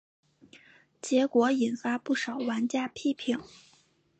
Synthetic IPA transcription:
t͡ɕjɛ˧˥kwɔ˧˥i˨˩nfa˥pu˥˩ʂɑ˨˩ʊwa˧˥nt͡ɕja˥˧pʰi˥˧pʰi˥˩˦ŋ

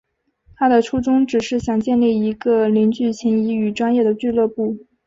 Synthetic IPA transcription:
t̪ʰa˥d̪ə˨ʈ͡ʂʰu˥ʈ͡ʂʊ˥ŋʈ͡ʂɻ̩˨˩ʂɻ̩˥˩ɕjɑ˨˩ŋt͡ɕjɛ˥˧nli˥˩i˧˥ɡə˧li˧˥nt͡ɕy˥˩t͡ɕʰi˧˥ni˧˥y˨˩ʈ͡ʂwa˥njɛ˥˩ɾə˩t͡ɕy˥˧lɤ˥˧pu˥˩

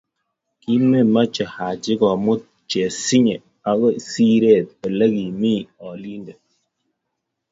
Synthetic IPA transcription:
ki˦me˦ma˦t͡ʃɛ˨ha˨d͡ʒi˦ɡɔ˨mu˦ | t͡ʃɛ˨si˦ɲɛ˨ | a˨ɣɔ˦˨si˦ɾɛ˦˨t̪̚e˨lə˦ɡi˨mi˦ɔ˨li˦ndɛ˨

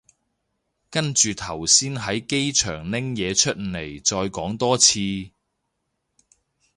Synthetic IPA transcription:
kɐ˥nt͡ʃyː˨˧t̪ʰɐ˨˩wsiː˥nɦɐ˨˥jke˥jt͡ʃʰœː˨˩ŋnɪ˥ŋjɛː˨˧t͡ʃʰɵ˥t̚ne˨˩jt͡ʃɔː˧jkɔː˨˥ŋt̪ɔː˥t͡sʰiː˧

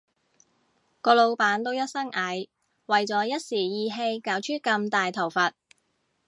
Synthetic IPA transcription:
kɔː˧lo˨˧wpaː˨˧˥nt̪o˥wjɐ˥t̚sɐ˥ŋʔaː˨˧˥j | wɐ˨jt͡sɔː˨˥jɐ˥t̚siː˨˩jiː˨˧ɦe˧jkaː˨˥wt͡ʃʰyː˥kɐ˧mt̪aː˨jt̪ʰɐ˨˩wfɐ˨t̚

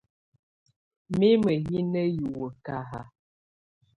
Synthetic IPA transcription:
me˦mə˨ɣi˦nə˦ju˨wə˨ka˨ɦa̰˨

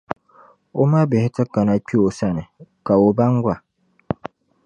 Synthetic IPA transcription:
o˦ma˦bɪ˨hɪ˦tɨ˦ka˨na˨k͡pi˦o˨sa˦˨nɨ˨ka˨o˨ba˦ŋ˦ɡʷa˨

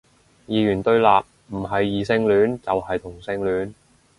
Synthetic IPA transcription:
jiː˨jyː˨˩nt̪ɵ˧ɥlaː˨p̚ | m̩˨˩ɦɐ˨jːiː˨sɪ˧˥ŋlyː˨˥nt͡sɐ˨whɐ˨jt̪ʰʊ˨˩ŋsɪ˧˥ŋlyː˨˥n

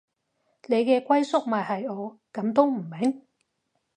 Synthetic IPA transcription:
ne˨˧jkɛː˧kʷwɐ˥jsʊ˥k̚maː˨˩hɐ˨jɔː˨˧kɐ˨˥mt̪̬o˥wm̩˨˩me˨˥ŋ

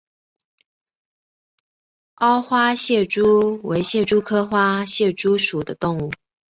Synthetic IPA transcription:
ɑ˥ʊxwa˥ɕjɛ˥˩ʈ͡ʂu˥we˧˥ɪɕjɛ˥˩ʈ͡ʂu˥kʰɤ˥xwa˥ɕjɛ˥˩ʈ͡ʂu˥ʂu˨˩d̪ə˦t̪ʊ˥˧ŋu˥˩

